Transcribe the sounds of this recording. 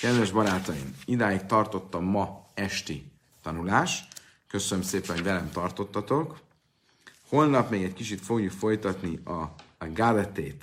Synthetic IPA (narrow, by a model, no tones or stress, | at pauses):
kɛd̪vɛʒbɒɾaːt̪ɒjḭmid̪aːjikt̪ɒrt̪o̞t̪ːɒmːɒɛʃt̪i | t̪ɒnulaːʃt | kø̞sønømseːpɛnoɟvɛlɛmt̪ɒrt̪o̞t̪ːɒt̪o̞k | ho̞lnɒpmeːɡɛckit͡ʃit̪fo̞ɡjukfo̞jt̪ɒt̪niɒɡad̪ɛt̪eːt̪